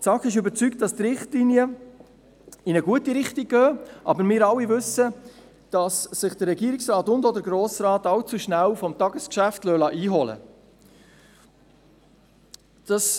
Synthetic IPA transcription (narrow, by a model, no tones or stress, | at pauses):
t͡sɑkɪʃʏbət͡sykt̚d̥ɑstɾɪχtlinjə | ɪnəɡuətiɾɪχtiɡ̚ɡœːʔɑ̰bəɾmɪːɾɑlːivɵsə | d̥ɑssɪχd̥əɾːɛɡiːɾɪksrɑːtʊndɔdəɾɡɾoːsɾɑːtɑlt͡suʃnælfɔmtɑɡəskʃæftlœːlɑʔiːɦɔlə̰ | d̥ɑs